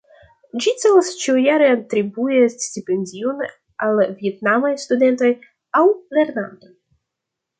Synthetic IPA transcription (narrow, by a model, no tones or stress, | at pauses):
d͡ʒit͡sevost͡ʃiujaɾeantɾibuestipe̞ndion | alvietnamajstude̞nto̞j | awle̞ɾnanto̞j